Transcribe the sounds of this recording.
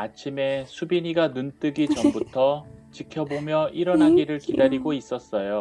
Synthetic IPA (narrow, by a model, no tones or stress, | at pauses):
at͡ɕʰime̞sʰubiɲiɡanunt͈ɯɡit͡ɕʌmbutʰʌt͡ɕikʰjʌbomjʌʔiɾʌnɦaɡiɾɯɭkidaɾiɡois͈ʌs͈ʌjo